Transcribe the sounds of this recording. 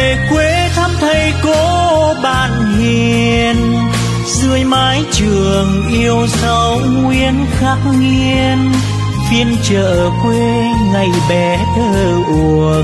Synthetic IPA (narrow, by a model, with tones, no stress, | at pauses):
kwe˧˦t̪ʰa˧mt̪ʰə˧jko˨˦ɓaː˧˨nhi˨˩əən | zɨ˧əjmaː˨˦jt͡ɕɨ˨˩əŋʔi˧əwsə˧˦w | ŋwi˧ənxaː˦˥k̚ŋi˧ən | fi˧ənt͡ɕəː˧˨ | kwe˧ | ŋa˨˧˩jɓɛ˨˦t̪ʰəː˧˩ | ʔu˨˩əək̚